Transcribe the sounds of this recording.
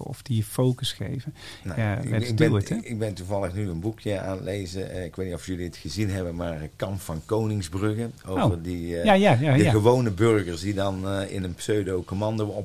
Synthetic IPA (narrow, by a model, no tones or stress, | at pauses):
ɔ̰fd̥iəfowkəsχḛjvənajaɛɡdɛntɪɡ̚bɛntuvɑlˠəχnyənbukjəa̰ːnlejzəɪkʋetnitɔfjɵliətχəzinɦɛbənmaːɹəkɑmpfɑnkownɪŋzbrɵɣəowvəɹdiajaaəɣəʋownəbørɣəɹsdidɑnɪ̰nənpsøɥdowkomɑndowɔ